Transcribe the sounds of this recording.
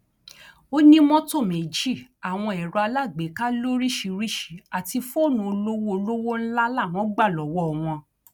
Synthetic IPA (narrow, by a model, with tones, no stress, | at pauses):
o˦nĩ˦mɔ̃˦to˦˨me˨d͡ʒi˦˨a˨w̃ɔ̃˧ɛ˨ɾɔ˧a˧la˦˨ɡ͡be˨˦ka˦lo˦ɾi˦˨ʃi˧ɾi˦˨ʃi˨˦a˨ti˧fnũ˧o˧lo˦wo˦o˧lo˦wo˦n̩˦la˦la˦˨w̃ɔ̃˨˦ɡ͡ba˦˨lɔ˨wɔ˦ɔ˨w̃ɔ̃˧